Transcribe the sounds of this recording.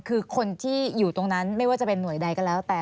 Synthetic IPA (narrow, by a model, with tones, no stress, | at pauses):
kʰɯː˧kʰo˧nt̪ʰiː˥˩juː˨˩t̪o˧ŋna˦˥nma˥˩jwaː˥˩t͡ɕa˨˩pe˧nːu˨˩˦əjda˧jkɔ˥˩nlɛː˦˥wt̪ɛː˨˩